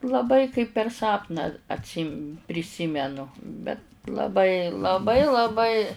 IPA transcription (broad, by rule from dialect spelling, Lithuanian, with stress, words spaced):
lˠɐˈbɐɪ kɐɪp pʲɛr ˈsɑːpnɑː ɐtʲˈsʲiːm pʲrʲɪˈsʲiːmʲɛnʊ bʲɛt lˠɐˈbɐɪ lˠɐˈbɐɪ lˠɐˈbɐɪ